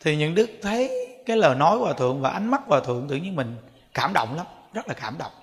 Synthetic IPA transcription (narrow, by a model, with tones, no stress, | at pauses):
t̪ʰi˨˩ɲɨ̰˧˥ŋɗɨ˦˥ək̚t̪ʰə˨˦jkaː˨˦jləː˨˩nɔ˨˦jkwaː˨˩t̪ʰɨ̰˧˨əŋvaː˨˩ʔa˨˦jŋ̟ma˦˥t̚kwaː˨˩t̪ʰɨ̰˧˨əŋt̪ɨ̰˧˨ɲi˧əmï˨˩ŋ̟ | kaː˧˩mɗə̰˧˨wŋ͡mla˨˦mzə˦˥t̚laː˨˩kaː˧˩mɗə̰˧˨wŋ͡m